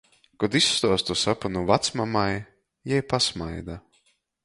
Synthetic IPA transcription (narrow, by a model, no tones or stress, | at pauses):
kɔd̪isːt̪ɔɔst̪usapanuvat̪smamaj | jɛjpasmajd̪a